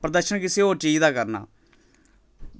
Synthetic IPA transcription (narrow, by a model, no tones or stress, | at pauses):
pɾəd̪əɾʃənkɪseːɦoːɾt͡ʃiːd͡ʒd̪aːkəɾna̰ː